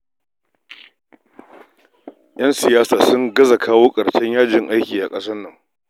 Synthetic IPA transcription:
j̰ɐ˦nsɪ˨jaː˦saː˨sʊ˦ŋɡɐ˦za˨kʰaː˦woː˦kʼɐ˨ɽʃɛ˦ɲjaː˦d͡ʒɪ˨ŋʔa˦jkʲiː˨ʔa˨kʼɐ˦sɐ˦nːɐ˨ŋ

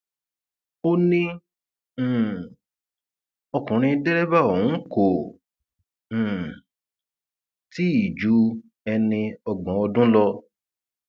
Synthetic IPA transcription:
o˦nĩ˦˨ | ɔ˧kũ˨ɾ̃ĩ˧dɛ˦ɾɛ˦ba˦˨õ˨ũ˨˦ko˨ | ti˦i˦˨d͡ʒu˨˦ | ɛ˧nĩ˧ɔ˧ɡ͡bɔ̃˨ɔ˧dũ˦lɔ˧

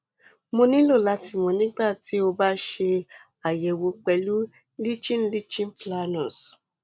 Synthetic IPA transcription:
mo˧nĩ˦lo˦˨la˨˦ti˦˨mõ˧nĩ˦ɡ͡ba˦˨ti˨˦o˧ba˦ʃe˧ | a˨jɛ˨wo˧k͡pɛ˧lu˦ | li˦t͡ʃĩ˦n˦li˦t͡ʃĩ˦n˦pla˧nɔ̃˨s

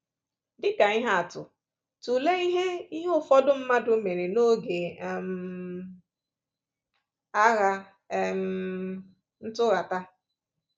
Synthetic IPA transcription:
dɪ˦ka˨i˦ɦa˦a˨tʊ̰˨ | tu˨le˦i˦ɦe˦i˦ɦʊ˦fɔ˦dʊ˦m̩˦ma˦dʊ˦me˨ɾe˨no˦ɡe˨m˨ | a˦ɣa˦˨ | m̩˨ | n̩˦tʊ˦ɣa˨ta˦

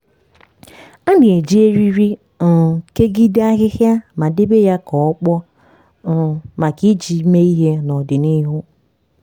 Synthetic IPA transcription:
a˦nɪ˨e˨d͡ʒi˦e˦ɾi˦ɾi˦˨ | ke˦ɡi˦da˦ɣɪ˦hja˦ma˨dɪ˦be˦ja˦kɔ˨ɔ˦k͡pɔ˦˨ | ma˨ki˦d͡ʒi˨˦me˦i˦ɦe˦nɔ˨dɪ˨ni˦ɦʊ˦

